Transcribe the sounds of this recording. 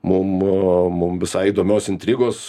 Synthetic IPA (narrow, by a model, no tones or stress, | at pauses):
mʊmmʊmʋʲɪsɐɪiːd̪oːmʲoːsʲɪnʲt̪ʲɾʲiːɡoːs